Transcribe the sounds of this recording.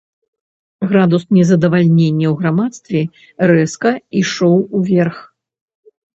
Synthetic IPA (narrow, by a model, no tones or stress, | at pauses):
ɣɾad̪usnʲɛzɐd̪ɐvalʲnʲenʲːɐwɣɾamat̪st̪vʲɛ | rɛskɐiʂɔwuvʲɛrx